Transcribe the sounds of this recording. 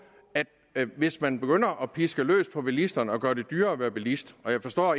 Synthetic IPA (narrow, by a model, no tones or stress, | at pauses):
æd̥ | ʋe̝smænb̥e̝ɡ̥øn̰ɐʔɒ̽pʰisɡ̥əlø̰ːspʰɒ̽b̥elisd̥ɐnəɒ̽ɡ̥ɶːɐd̥e̝d̥yːɐɒʋæːɐb̥elisd̥ɒ̽jɑ̈ɪfɒ̽sd̥ɒ̰ː